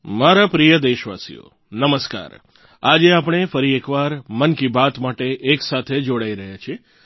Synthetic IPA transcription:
maɾapɾijəd̪eʃʋa̰sḭjo̰ | nəməska̰ːɾ | ad͡ʒeapɽ̃efəɾiekʋaɾmənkibat̪maʈeʔːksat̪ʰed͡ʒoɽaiɾəɦjat͡ʃʰie

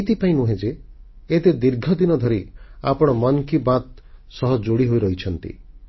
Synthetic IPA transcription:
t̪ipaĩnuɦẽd͡ʒeː | t̪ed̪iɾɡʱɔd̪inɔd̪ʱɔɾia̰pɔɽ̃ɔmɔnkibat̪ | sɔɦɔd͡ʒoɽiɦojɾɔɦit͡ʃʰɔnt̪ḭ

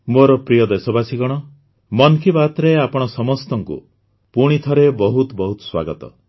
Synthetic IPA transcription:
moɾɔpɾijɔd̪esɔbasiɡɔɽ̃ɔ | mɔnkʰibat̪ɾeapɔɽ̃ɔsɔmɔst̪ɔŋkṵ | puɽ̃it̪ʰɔɾebɔɦut̪bɔɦut̪ɔ̥swa̰ɡɔt̪ɔ̰

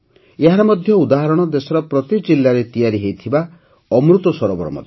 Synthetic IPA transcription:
eɦaɾɔmɔd̪ʱjɔud̪aɦaɾɔɽ̃ɔd̪esɔɾɔpɾɔt̪id͡ʒilːaɾet̪ijaɾiɦejt̪ʰiba | ɔmɾut̪ɔsɔɾɔbɔ̰ɾɔmɔ̰d̪ʱe

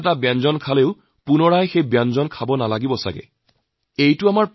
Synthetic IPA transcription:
t̬abɛnzɔnkʰaleʊ | punɔɹajxejbanzɔnkʰabɔnalaɡibɔsa̰ɡɛ̰ | ejtʊamaɹp

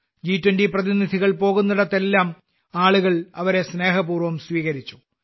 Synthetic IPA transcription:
d͡ʑiːtːwɐndiprɐðinid̪ʱiɣɐɭpo̞ːɣunːiɽɐt̪ːe̞lːaːm | aːɭuɣɐɭɐʋɐɾe̞sne̞ːɦɐpuːrʋɐmsʋiːɣɐɾit͡ɕːu̥

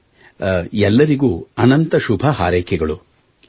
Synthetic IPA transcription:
ɛlːɐɾiɡuːɐnɐnt̪ɐʃubʱɐɦaːɾɛːkʰɛɡɐɭu

